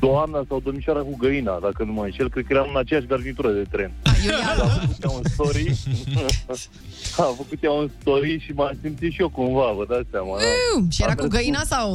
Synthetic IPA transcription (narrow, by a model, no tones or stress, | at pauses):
d̪oamnasawd̪omiʃwaɾakuɡəina̰d̪akənumənʃelkɾed̪̚kəjeɾamɨnat͡ʃejaʃɡərnit̪uɾəd̪e̞t̪ɾe̞najeafəkut̪jaunst̪oɾi | afəkut̪jaunst̪oɾiʃimasimt̪sit̪ʃijokuɱvavəd̪atsamaaʃijeɾauɡəjinasaw